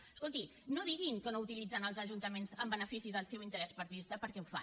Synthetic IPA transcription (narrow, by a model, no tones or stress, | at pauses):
skolˠt̪i | noðiɣiŋkənout̪ilid͡zənəlˠzəʒunt̪əmenzəmbənəfisiðəlˠsɛwint̪əɾɛspəɾt̪iðist̪əpəɾkɛufa̰